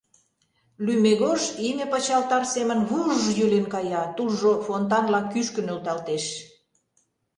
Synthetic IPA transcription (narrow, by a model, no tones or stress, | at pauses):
lymeɣoʒinʲepət͡ɕɑlt̪ɑrsemə̆nβuʒjølenkɑjɑt̪ulʒofont̪ɑnlɑkːyʃkə̆nølt̪ɑlt̪eʃ